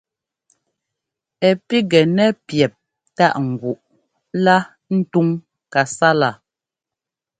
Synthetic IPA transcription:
ɛ˨pi˦ɡɛ˨nɛ˦pjɛ˨p̚ | ta˦˨ʔŋ̩˨ɡu˨ʔ | la˦ | n̩˦tu˦ŋ | ka˨sa˦la˨

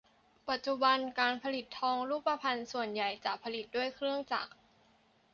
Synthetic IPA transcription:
pa˨˩t̪̚t͡ɕu˧ba˧nkaː˧npʰa˧li˨˩t̪ʰːɔː˧ŋɾuː˥˩pːa˧pʰa˧nsu˨˩ənja˨˩jt͡ɕa˨˩pʰːa˧li˨˩t̪̚du˥˩əjkʰɾɯ˥˩əŋt͡ɕa̰˨˩k̚

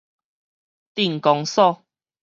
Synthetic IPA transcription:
t̪i˥˨ŋ˨kɔ˧ŋsɔ˥˧˨

